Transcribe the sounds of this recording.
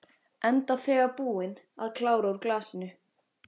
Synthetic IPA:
ɛnt̪aθɛːɣapuːɪn | a̰ðkʰlaːwɾauɾklaːsɪnʏ

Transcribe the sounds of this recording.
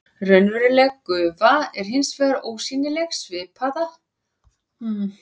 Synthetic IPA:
rœɥnvɛɾɪlɛɣkʏːvaɛɾ̥ɦɪnsvɛːðaɾoːwsiːnɪlɛɣsvɪːpʰaða

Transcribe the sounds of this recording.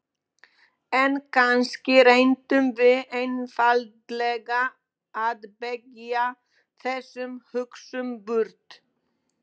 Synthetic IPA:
ɛnkʰanscɪɾejnt̪ʏmvɪðejnfalt̪lɛɣaː | ðpɛka | θɛsːʏmhʏksʏmpʏɾt̪

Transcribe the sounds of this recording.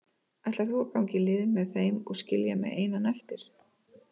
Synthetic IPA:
ɛjht̪laθuaɾkawɲcɪlɪːðɪmɛðθejmɔɣscɪljamɛ̰ðeːjnanɛl̥t̪ɪɾ̥

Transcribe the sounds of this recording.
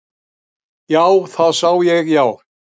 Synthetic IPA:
jaːwθaðsawjɛɣjaːw

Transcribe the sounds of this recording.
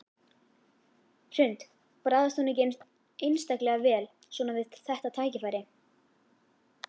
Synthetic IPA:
r̥ʏnt̪ | pɾaːðast̪ɔnɪcejnmst̪ | ejnst̪aklɛɣavɛːl | swɔːnavɪðt̪ʰɪ̥θɛht̪at̪ʰaːjcɪfaːjɾɪ

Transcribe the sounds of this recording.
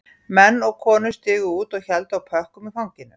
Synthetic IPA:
mɛnːɔɣkʰɔːnʏ̥st̪ɪːɣʏuːt̪ɔɣçɛlt̪awpʰœhkʏmifawɲcɪnːʏm

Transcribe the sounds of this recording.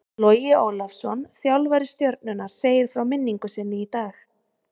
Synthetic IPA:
lojɪoːwlafsɔnθjawlvaɾɪst̪jœɾt̪̚nʏnaɾ̥seːjɪɾ̥θɾawmɪnːiŋkʏsɪnːɪit̪aːx

